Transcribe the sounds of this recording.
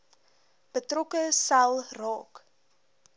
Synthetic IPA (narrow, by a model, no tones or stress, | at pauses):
b̥ətrɔkəsɐlˠrɑːk